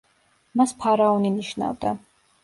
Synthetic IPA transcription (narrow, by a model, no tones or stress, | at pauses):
maspʰaɾaɔniniʃna̰vd̪a